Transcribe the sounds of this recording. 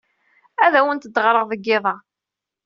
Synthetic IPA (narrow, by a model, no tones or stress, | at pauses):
æðæwənt̪əd̪ːʁɾˤəʁðəɡːɪðˤɑ